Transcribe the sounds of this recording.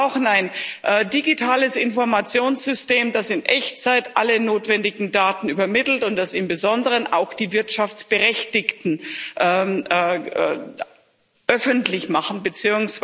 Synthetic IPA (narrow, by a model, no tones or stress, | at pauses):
ʊxn̩aɪnʔɛːdiɡitʰaːləsɪnfɔɐmat͡sjoːnsz̥ʏsteːmdasɪnʔɛçt͡saɪtʔalənoːtv̥ɛndɪɡŋ̩daːtn̩yːbɐmɪtl̩tʊntd̥asɪmbəzɔndəʁəna̰ʊxd̥iːvɪɐtʃaft͡sb̥əʁɛçtɪktn̩ʔɛ | ʔœfəntlɪçmaχn̩bət͡siːʊŋs